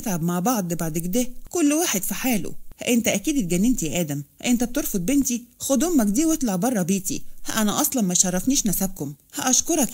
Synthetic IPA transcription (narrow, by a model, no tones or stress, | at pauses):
t̪ʕabmaʕbɑʕd̪ˤbaʕd̪ekd̪ækolːwaːħed̪fiħaːlo̰hʔent̪æʔækiːd̪et̪̚ɡænːent̪iæʔæːd̪æmhʔent̪æb̚t̪eɾfod̪̚ˤbent̪ixod̪omːækd̪iːwet̪lɑʕbɑrˤːɑbiːt̪ḭhʔænæʔɑsˤlɑnmæʃɑrˤːɑfniːʃnæsæb̚komhæʔɑʃkoɾˤɑk